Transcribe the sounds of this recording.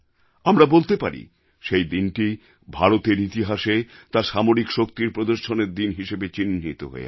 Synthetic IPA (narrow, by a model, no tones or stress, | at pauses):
amɾabolt̪epaɾḭ | ʃejd̪inʈi | bʱaɾot̪eɾit̪iɦaʃet̪aɾʃamoɾikʃokt̪iɾpɾod̪oɾʃoneɾd̪inɦiʃebet͡ɕinːit̪o̰ɦo̰ḛ